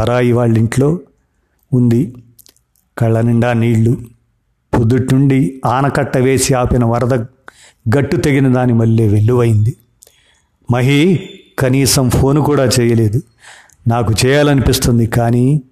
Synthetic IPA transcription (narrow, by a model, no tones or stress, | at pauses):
ɐɾaːiʋaːɭːiɳʈlo̞ː | und̪i | kɐɭːɐniɳɖaːniːɭːu | pud̪ːuʈnuɳɖiaːnɐkɐʈːɐʋe̞ːsiaːpinɐʋɐɾd̪ɐ | ɡɐʈːut̪e̞ɡinɐd̪aːnimɐɭːeːʋeɭːuʋɐjind̪i | mɐɦikɐniːsɐmpʰo̞ːnukuːɽaːt͡ʃɛːjɐle̞ːd̪u | naːkut͡ʃɛːjaːlɐnipist̪und̪ikaːniː